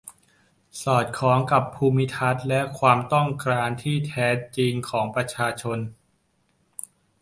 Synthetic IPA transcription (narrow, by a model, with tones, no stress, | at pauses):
sɔː˨˩t̪̚kʰɔː˩˦ŋka˨˩pʰːuː˧mi˦˥t̪ʰa˦˥t̪̚lɛ˦˥ʔkʰwaː˧mt̪ɔ˥˩ŋkɾaː˧nt̪ʰiː˥˩t̪ʰɛː˦˥t͡ɕi˧ŋkʰɔː˩˦ŋpɾa˧t͡ɕʰaː˧t͡ɕʰo˧n